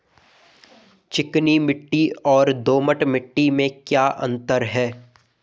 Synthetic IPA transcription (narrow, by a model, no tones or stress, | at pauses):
t͡ʃɪknimɪʈːiɔːɾd̪oːməʈmɪʈːimẽkjaːʔɐ̰̃nt̪əɾɦɛː